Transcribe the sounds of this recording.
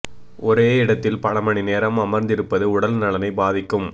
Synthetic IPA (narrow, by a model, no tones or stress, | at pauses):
ʔɔɾeːɪɽɐt̪ːɪlpɐɭɐmɐɳineːɾɐmɐmɐɾnd̪ɪɾɯpːɐðɯʊɽɐlnɐɭɐnɐɪbaːðɪkːɯm